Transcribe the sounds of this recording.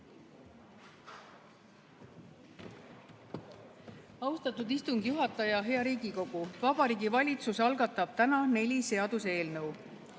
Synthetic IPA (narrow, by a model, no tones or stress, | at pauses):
ɑwst̪ɑt̪ud̪ist̪uŋɡ̥juɦɑt̪ːˑɑjɑɦe̞ɑɾiːɡiko̞ɡ̥uvɑb̥ɑɾiːɡivɑlʲit̪susɑlɡɑt̪ːˑɑb̥̚t̪ænɑne̞lʲise̞ɑd̪̥use̞ːlnɤw